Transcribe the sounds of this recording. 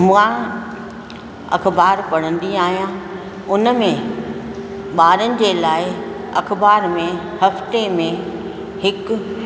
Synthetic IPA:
mʊ̃ã | ɐ̰xʰbaːɾpɐɽ̤̃ə̃nd̪iaːɦijã | ʊnəmẽ | ɓaːɾənɪ̆d͡ʑeːlaːɪ | ɐkbaːɾmẽ | hɐft̪emẽ | hɪk̆

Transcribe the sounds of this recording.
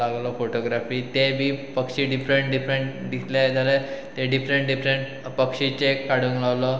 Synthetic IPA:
aɡlɔfoʈoɡɾafiːt̪ebʱiːpəkʂiɖifɾeɳʈɖifɾeɳʈd̪it̪ʰljajed͡zʱalet̪eɖifɾeɳʈɖifɾeɳʈ | pəkʂit͡ɕekaɽ̤uːŋlawlɔ

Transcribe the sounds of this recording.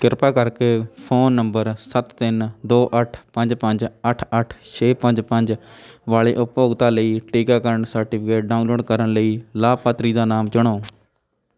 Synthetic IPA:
kɪɾpaːkəɾkeːpʰoːnːəmbəɾsət̪ːɪnd̪oːʔəʈʰpəɲd͡ʒpəɲd͡ʒəʈʰəʈʰt͡ʃʰeːpəɲd͡ʒpəɲd͡ʒʋaːɭeːʔʊpjoːɡt̪aːləiːʈiːkaːkəɾəɳsəɾʈɪpʰɪkeːʈ̚ɖaːunloːɖkəɾənləiːlaːpaːt̪ɾiːd̪aːnaːmt͡ʃʊɽ̃aː

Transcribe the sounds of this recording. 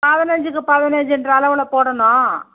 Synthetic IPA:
paːðɐnɐɲd͡ʒɯkːɯpɐðɐnɐɲd͡ʒɯɛndrɐːlɐʋɪlɐpoːɽɐnõː

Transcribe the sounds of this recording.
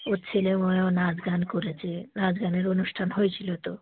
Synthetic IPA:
oɾt͡ɕʰilemoeonad͡ʑɡankoɾet͡ɕʰinad͡ʑɡaneɾonuʃʈʰanɦojt͡ɕʰilot̪o

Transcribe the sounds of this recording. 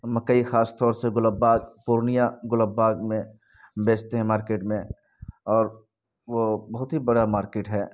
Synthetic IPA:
məkːəixaːst̪ɔːɾseɡʊləbaːɡpuɾnijaɡʊləbːaːɡmẽ | beːt͡ʃt̪eɦɛ̃maːɾkeːʈmẽ | ɔːɾ | ʋobɐɦʊt̪ɦibəɽamaːɾkeːʈɦɛː

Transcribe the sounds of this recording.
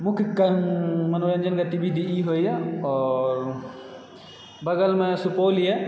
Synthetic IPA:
mukʰkmɐnoənd͡ʒənkɐt̪ibʱid̪ʱiiɦojɛɔːɾ | bɐɡəlmẽsupolijɛ

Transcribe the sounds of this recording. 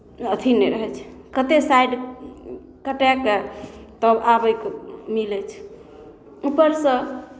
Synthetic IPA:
ət̪ʰinɛɾəɦɛt͡ʃʰkət̪esajɖ | kəʈɛket̪əbabəjkmilɛt͡ʃʰ | upəɾsə̃

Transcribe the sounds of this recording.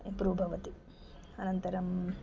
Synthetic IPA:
ipɾubʱɐʋɐt̪i | ɐnɐnt̪ɐɾɐm

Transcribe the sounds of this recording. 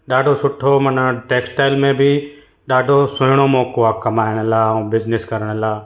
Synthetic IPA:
ɗaːɖʱoːsʊʈʰːoːmənaʈeːksʈaːɪlmẽbʱiː | ɗaːɖʱoːsʊnɽ̃oːmoːkoaːkəmaːɪɽ̃lãːbɪznɪskəɾəɽ̃laː

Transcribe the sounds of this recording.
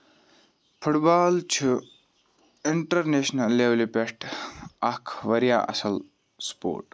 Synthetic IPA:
pʰuʈbaːlt͡ʃʰu | iɳʈɐɾneːʃnɐlːeʋlipʲeʂʈɐkʰʋɐɾja̰ːʔɐ̰sɐl | spo̰ːɾʈ

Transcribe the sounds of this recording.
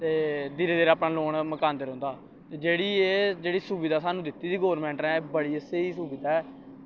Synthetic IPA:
t̪eːd̪iːɾeːd̪eːɾaːpnaːloːɳməkaːnd̪eːɾõːnd̪aː | t̪eːd͡ʒeːɽiːeːd͡ʒeːɽiːsuːbɪd̪aːsaːnũːd̪ɪt̪ːiːd̪iːɡoːɾmɛ̃ːɳʈɛ̃ːbəɽiːəseːiːsuːbɪd̪aːɛː

